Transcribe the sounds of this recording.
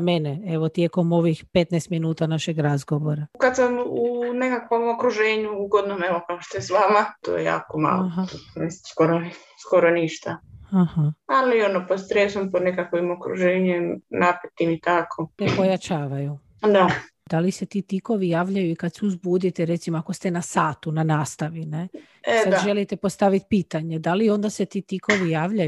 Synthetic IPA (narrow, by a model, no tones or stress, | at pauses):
meneeʋot̪jeko̞mo̞ʋixpe̞t̪nɛjst̪minuːt̪anaʃeɡɾazɡo̞ʋoɾakad̪samunekakʋo̞mokɾuʒeːɲuuɡod̪nomeʋokaoʃt̪ojesʋaːmat̪o̰ːjeja̰ːkoma̰ːlloaɦaesskoɾo | sko̞ɾoniʃt̪aahaalionopod̪st̪ɾesomponekakʋimokɾṵʒeːɲemnapet̪imit̪akʰot̪epo̞jat͡ʃaːʋaju | d̪a | d̪aliset̪it̪iko̞ʋijaːʋʎajuikad̪suzbuːd̪it̪eɾet̪simoako̞st̪e̞nasaːt̪unanaːst̪aʋine̞ | ead̪ʒelit̪epo̞st̪aʋit̪̚piːt̪aɲe̞d̪alio̞nd̪ase̞t̪it̪ikʰo̞ʋijaːʋʎaj